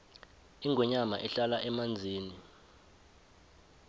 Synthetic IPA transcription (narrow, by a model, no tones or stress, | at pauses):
iŋʱɔɲama̰ʔɛɬalaʔɛmand͡zʱiːni